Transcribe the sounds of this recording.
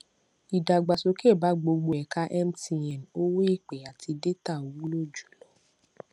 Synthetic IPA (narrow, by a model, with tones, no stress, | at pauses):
i˨da˨ɡ͡ba˨so˧ke˦˨ba˨˦ɡ͡bo˧ɡ͡bo˧ɛ˨ka˦ʔɛ˦m̩˦ti˧jɛ˨n˨o˦wo˦i˦˨k͡pe˨a˨tʰi˧de˦ta˦˨o˨wũ˦lo˦˨d͡ʒu̥˨lɔ˨˦